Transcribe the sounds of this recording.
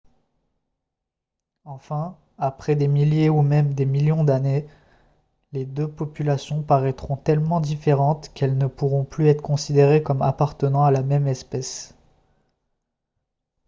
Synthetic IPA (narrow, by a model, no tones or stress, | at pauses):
ɑ̃fɛ̃ | apχɛd̪emiljeumɛmd̪emiljɔ̃d̪ane | led̪øpɔpylasjɔ̃paʁɛt̪χɔ̃t̪ɛlmɑ̃d̪ifeʁɑ̃t̪kɛlnəpuʁɔ̃plyɛt̪χəkɔ̃sid̪eʁekɔma̰paʁt̪ənɑ̃alamɛmɛspɛs